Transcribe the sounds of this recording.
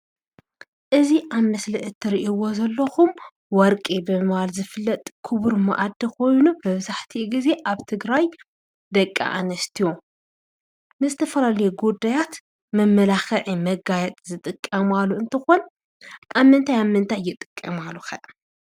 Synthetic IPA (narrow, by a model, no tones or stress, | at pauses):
ʔɨziʔaβmɐslɨʕɨt̪ʰːɨɾiʔiwo̞zɐlːɐxum | wɔɾkʼibɨmɨββalzɨfɨlːɐt̪ʼkʰʊβɾmɐ̰ʔad̪ːikʰo̞jnumɐβzaħt̪ʰiɡize̞ʔaβt̪ʰɨɡɾaj | d̪ɐkʼːa̰ʔanɐst̪ʰijo | mɨzɨt̪ʰɐfɐlalɐjeɡud̪ːajat̪ | mɐmːɐlaxɐʕimɐɡajɛt̪ʼzɨt̪ʼɨkʼːɐmalːuɨnt̪ʰɨxon | ʔaβmːɨnt̪ʰajaβmɨnt̪ʰajːɪt̪ʼɨ̥kʼːɐmalːuxɐʔ